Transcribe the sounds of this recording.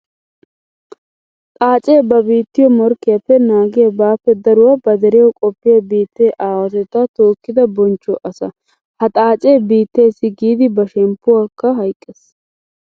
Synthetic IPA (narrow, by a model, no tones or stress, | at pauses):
t̪ʼaːt͡ʃʼeːbɐbiːt̪ːɪjɔmɔɾkːɪjɐpːɛnaːɡɛabaːpːɛd̪ɐɾʊwɐbɐd̪ɛɾɛjɔkʼɔpːɪjɐbiːt̪ːeːʔaːwɐt̪ɛt̪ːɐt̪oːkːɪd̪ɐbɔnt͡ʃːɔʔɐsɐ̰ | hɐt̪ʼaːt͡ʃʼeːbiːt̪ːeːsɪɡiːd̪ɪbɐʃɛmpːʊwaːkːɐɦɐjkʼːes